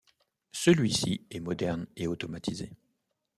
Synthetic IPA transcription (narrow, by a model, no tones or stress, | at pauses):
səlɥisiɛmɔd̪ɛʁneot̪ɔmat̪ʰize